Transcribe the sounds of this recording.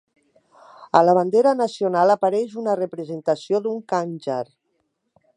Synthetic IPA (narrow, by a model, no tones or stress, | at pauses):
əlaβ̞and̪eɾanasionalapaɾɛʒunarəpɾəzent̪asioðuŋkanʲʒaɾ